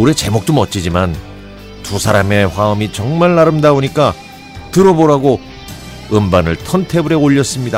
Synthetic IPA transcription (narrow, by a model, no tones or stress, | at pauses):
uɾe̞t͡ɕe̞mok̚t͈omʌt͡ɕ͈id͡ʑiman | tusʰaɾame̞ɸwaɯmit͡ɕʌŋmaɭːaɾɯmdaoɲik͈a | tɯɾʌboɾaɡo | ɯmbanɯɭtʰʌntʰe̞buɾe̞oʎːʌs͈ɯmɲida